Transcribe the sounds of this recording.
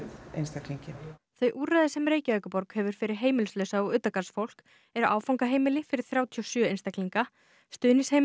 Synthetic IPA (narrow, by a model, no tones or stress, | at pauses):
ḛjnst̪akliɲcɪθœɥjʔuːɾrajðɪsɛmreːjcaœːɥkʏpɔɾkhɛːvʏɾ̥fɪɾɪɾ̥ɦeːjmɪlslœːɥsaɔɣʏːt̪akasfowl̥k | ɛɾa̰ːwfawŋkaɦeːjmɪlɪfɪɾɪɾ̥θɾjaːwt̪ʰiɔsjœːejnst̪akliŋka | st̪ʏːnɪshe